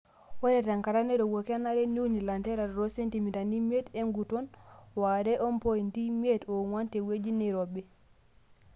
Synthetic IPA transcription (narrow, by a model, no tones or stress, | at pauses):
waɾɛtaŋkaɾanɛɾɔwokanaɾɛnunilantɛɾaɾɾɔsentimitanimedeŋɡutɔnwadɛʔɔmpojintimedɔwantɛwed͡ʒiniɾɔbɛ